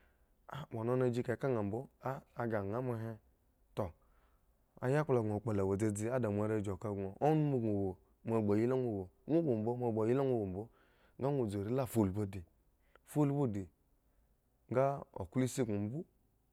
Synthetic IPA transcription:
a˨mo˨no˦na˧d͡ʒi˦ka˨˦ka˦ŋa˨m̩˨bo˦aː˦˨ɡa˨ŋ˨a˨˦ma˧ɦe˦ | to˨ | a̰˨ja˦kla˨ɡk͡pa˨la˨wa˨d͡ze˧d͡zi˦a˦da˨mʷ˨a˨ɾa˧˨d͡ʒo˨ka˨ɡo˨ʔo˦nu˦mo˨ɡo˨wo˨ | m˨a˨ɡ͡ba˨ji˦la˦ŋʷo˨wo˨ŋʷu˦ɡo˨m˨bo˦m˦a˨ɡ͡ba˨ji˦la˦ŋʷu˦˨wo˨m̩˨bo˦ | ŋɡa˦ŋʷo˨d͡zo˨ɾi˦la˦˨fo˨lbo˦di˨ | fo˦lbo˦˨di˨ | ŋ˦ɡa˦o̰˨ku˦li˦si˦ɡo˨m̩˨˦bu˦

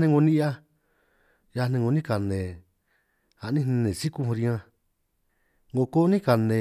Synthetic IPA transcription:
nẽ˧ŋɡo˧nĩ˦ʔa˦ | ja˧nẽ˧ŋɡo˧nĩ˦ka˨nẽ˨ | a˨ʔnĩ˦˧nẽ˧nẽ˨si˦ku˦˧hɾi˧ã˧ | ŋɡo˧ko˦nĩ˦ka˨nẽ˨

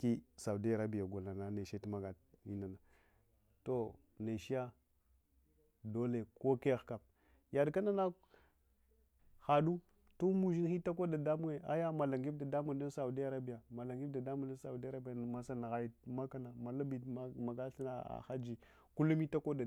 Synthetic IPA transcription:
ki˦sa˨u˨di˦a˨ɾa˦bi˨ja˨ɡa˨lna˨na˦ne˨ʃe˦tma˦ɡa˨i˦na˨na˨ | to˨ | ne˨ʃi˦ja˦ | do˦le˨ko˦ke˦˨ka˨p̚ | ja˨dka˦na˦na˦ | xa˨ɗu˦ | tu˦mu˨ʒi˦n˦xi˦ta˦ko˦da˨da˦mu˦ŋe˨a̰˦ja˦ma˨la˨ŋɡi˦bda˨da˦mu˨n˦da˦n˦sa˨u˨di˦a˨ɾa˦bi˨ja˨ma˨la˨ŋɡi˦bda˨da˦mu˨nda˦sa˨u˨di˦a˦ɾa˦bi˦ja˨ma˨sa˦n˨ɣa˨ji˦ma˦ka˦na˨ma˨la˦bi˨˦ma˨ɡa˦ɬi˦na˨a̰˨xa˦d͡ʒi˨ | ku˦lu˦mi˦ta˦ko˦da˨

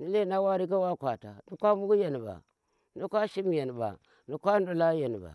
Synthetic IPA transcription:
ni˦le˦˨na˦wa˦ɾi˦k̬a˦wa˦kʷa˨ta˨ni˦kʷa˦mu˦ɡu˦je˨n˨ba̰˨ | ni˦kʷa˦ʃi˦m˨je˨n˨ba̰˨ | ni˨kʷa˦n˦du˨la˦je˨n˨ba̰˨

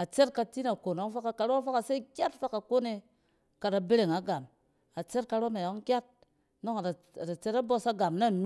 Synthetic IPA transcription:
a˨t͡ʃe˦t̚ka˧ti˦na˨ko˨no˨˦ŋ˦fa˦ka˨ka˨ɾo˦fa˦ka˨se˦kʲa˦tfa˦ka˨ko˦ne˧ | ka˨ta˨be˦ɾe˨ŋa˨ɡa˨m | a˨t͡ʃe˦t̚ka˧ɾo˦na˨jo˨˦ŋkʲa˦t̚ | no˦ŋa˨a˨ | a˨ta˨t͡ʃe˦ta˦bo˦sa˦ɡa˨mna˦˨nu˦

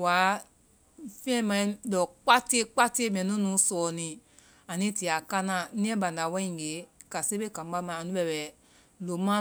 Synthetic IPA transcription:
wa˨˦ | fɛ̃˦mã˧ĩ˦dɔ˨k͡pa˦ti˦e˦k͡pa˦ti˦e˦mɛ̃˨nũ˦nũ˨˦sɔː˨nĩ˧ | a˨nĩ˦ti˨a˨ka˦nã˨nĩ˦ɛ̃˦bã˨nda˨wã˦ĩ˨ɡe˨˦ka˨se˦be˦kã˨m˦ba˦mã˨a˨nũ˦bɛ˧˨bɛ˨ | lo˨mã˦

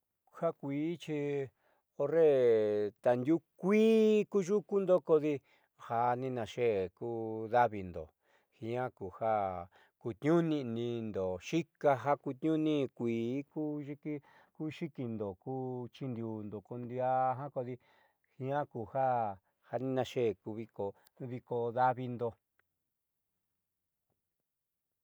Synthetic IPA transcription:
ha˦kʷiː˨˦t͡ʃi˧ | o˧re˦˨t̪a˨nd̪ʲu˦kʷiː˦ku˦ʒu˦ku˦nd̪o˦ko˧ði˧ | ha˧nĩ˧nã˧ʃe˦ku˦ða˦βi˧nd̪o̰˨ | hĩ˧ã˦ku˨ha˦ | ku˧t̪ɲũ˦nĩ˧nĩ˧nd̪o˨ʃi˦ka˧ɦa˦ku˧t̪ɲũ˦nĩ˦˧kʷiː˨˦ku˦ʒi˦ki˦ | ku˦ʃi˦ki˧nd̪o˨kuː˦t͡ʃi˧nd̪u˧nd̪o˨ko˧nd̪i˧a˦˧ɦã˦ko˧ði˧ | hĩ˧ã˦ku˧ha˦ | ha˧nĩ˦˧nã˧ʃe˦˨ku˧βi˧ko˧˦ | βi˧ko˧ða˦βi˧nd̪o˧

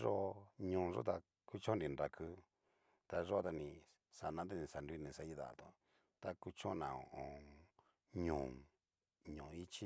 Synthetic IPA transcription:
ʐo˦˧ɲũ˧˨˧ʐo̰˦t̪a˧ | ku˦t͡ʃõ˦nɾĩ˧˨nɾa˨kʰɨ˦ | t̪a˧ʐo˦t̪a˧nĩ˧ | sa˨nã˧˦t̪e˦˧nĩ˧˨sa˨ndu˧i˦˧nĩ˧sa˧˦i˦ða̰˨t̪o˧ | t̪a˧ku˧t͡ʃõ˦˧nã˨õ̰˨ʔõ˧ | ɲũ˨ | ɲũ˨i˦t͡ʃi˦

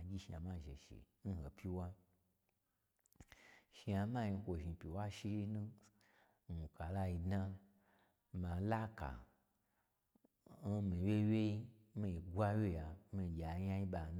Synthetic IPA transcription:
ɡʲi˦ʃi˧a̰˨ma˧ʒḛ˨ʃḭ˨ | n̩˦ho˨pʲi˦wa˦ | ʃi˧a˧mã˦ji˧˦kʷo˧ʒi˧˨pʲi˨wa˦ʃi˧ji˦nũ˦ | n˨u˨ka˨la˧ji˧dna˦ | mã˨˦la˦ka̰˨ | n̩˦mi˨we˦we˦i˦ | mi˧i˨ɡʷa˦wje˦ja˨˦mi˧˨ɡʲa˨ɲa˦i˦ɓa˨n˦

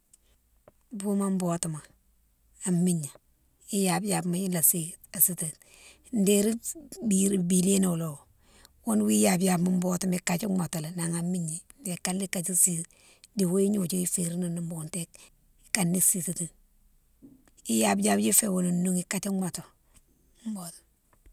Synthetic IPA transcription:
bu˦ma˦m˦bo˨ti˨ma˨ | a˨mi˦˨ɲa˨ | i˦ja˨bja˨bma˦ji˦la˨si˨ | a˨si˦ti˨t | n˦de˦ɾi˦bi˨bi˨le˦no˨o˨lo˨ | wo˦n˦wi˦ja˨bja˨bma˦m˦bo˦tu˦mi˨ka˨t͡ʃi˦ma˨to˨le˨na˨ŋa˨mi˦ɲa˨nde˨ka˦lːi˦ka˨t͡ʃi˦si˨ | di˨wo˦i˦ɲu˨t͡ʃi˦i˦fe˨ɾi˦ni˦ni˨mbo˨nte˦ | ka˨nːi˦si˨ti˨ti˨ | i˦ja˨bja˦bd͡ʒi˦fe˨wo˨lu˨nnu˦ŋi˨ka˦t͡ʃi˦ŋa˨to˨ | m˦bo˦t

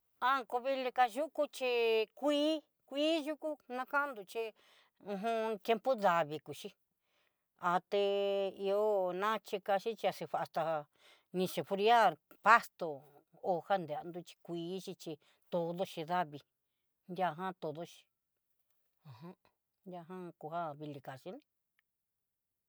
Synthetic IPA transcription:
a˦ko˧βi˧˦li˧ka˧ʒu˦ku˦t͡ʃi˧kʷiː˦ | kʷiː˦ʒu˦ku˦nã˦kã˦nd̪u˧t͡ʃi˧ | ũ˧ɦũ˧t̪je˧mpo˦ða˧βi˧ku˨ʃi˦ | a˧˨t̪e˧i˧o˦nã˦t͡ʃi˧ka˧ʃi˦t͡ʃi˧a˧se˧βa˧ʔa˧st̪a˧ | nĩ˧ʃe˨fu˧ɾi˦a˦ɾpa˦st̪o˨ | o˧˨ha˦nd̪e˨a˧nd̪u˧t͡ʃi̥˧kʷiː˧˦t͡ʃi˧t͡ʃi˧ | t̪o˧ðo˦ʃi˧ða˦βi˧ | nd̪ja˧ɦã˦t̪o˨˧ðo˦ʃi̥˧ | ã˨hã˦ | nd̪ʲa˧ɦã˦ku˧ha˦βi˧li˨˧ka˨ʃi˦nẽ˧

